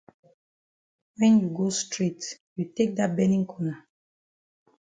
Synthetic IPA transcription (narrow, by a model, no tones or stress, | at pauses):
wɛ̃njuɡostɹetjutek̚dat̚bɛnĩŋkʰɔna